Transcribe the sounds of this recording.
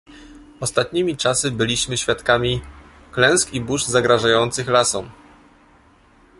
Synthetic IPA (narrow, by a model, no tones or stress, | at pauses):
ɔst̪at̪ɲimʲit͡ʂasɘbɘlʲiɕmɘɕfʲjat̪kamʲi | klɛ̃w̃skibuʐzaɡɾaʐajɔnt̪sɘxlasɔ̃m